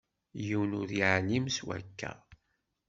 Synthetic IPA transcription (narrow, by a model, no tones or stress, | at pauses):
jiwnʊɾiʕnimswæ̰kːæ̰